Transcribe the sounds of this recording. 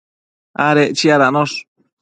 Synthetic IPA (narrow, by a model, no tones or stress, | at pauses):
a̰ɾeʔt͡ʃiaɾanoʂ